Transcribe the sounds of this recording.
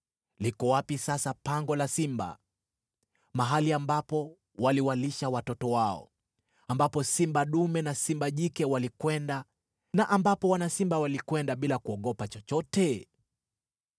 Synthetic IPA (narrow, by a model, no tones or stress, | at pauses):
likɔwapisasapaŋɡɔlasimba̰ | maɦaliambapɔ | waliwaliʃawatɔtɔwaɔ̰ | ambapɔsimbaɗumɛnasimbaʄikɛwalikwɛnda | naʔambapɔwanasimbawalikwɛndaɓilakuɔɠɔpat͡ʃɔt͡ʃɔtɛ